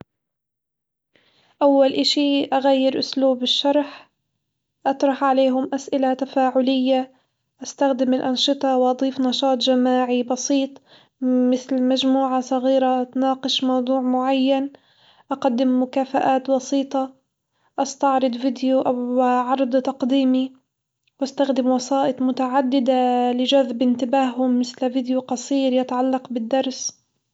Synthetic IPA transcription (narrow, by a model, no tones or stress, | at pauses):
ʔawːalʔaʃiʔaɣajːɪɾʔʊsluːbɪʃːɑɾˤħ | ʔɑt̪ɾˤɑħʕaleːɦʊmʔasʔɪlat̪afaːʕʊlɪjːa | ʔast̪axd̪ɪmɪlʔɑnʃɨt̪ˤɑwʔɑd̪ˤiːfnɑʃɑːt̪ˤd͡ʒamaːʕibɑsiːt̪ˤ | mɪθlmad͡ʒmuːʕasˤɑɣiːɾaʔt̪nɑːqɨʃmɑwd̪ˤuːʕmʊʕajːan | ʔɑqad̪ːɪmːʊkaːfaʔaːt̪bɑsiːt̪ˤɑ | ʔɑst̪ɑʕɾˤɑd̪ˤvɪd̪juʔaʕɑɾˤd̪ˤt̪ɑqd̪iːmi | wʔast̪axd̪ɪmwɑsɑːʔɪt̪ˤmʊt̪aʕad̪ːɪd̪alɪd͡ʒaðbʔɪnt̪ɪbaːhhʊmːɪθlvɪd̪juqɑsˤiːɾjɪt̪ʕalːɑqbɪd̪ːɑɾˤs